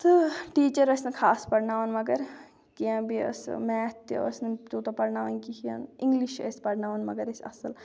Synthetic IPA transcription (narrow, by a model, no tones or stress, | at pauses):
t̪ɨʈiːt͡ʃɐɾɐsnɨkʰaːspɐɽnaːʋɐnmɐɡɐɾ | kiãːbiɐ̰smɛːt̪ːɐ̰snɨt̪oːt̪opɐɽnaːʋɐnkikiã̰nĩŋɡliʃɐ̰spɐɽnaːʋɐnmɐɡɐɾesɐ̰səl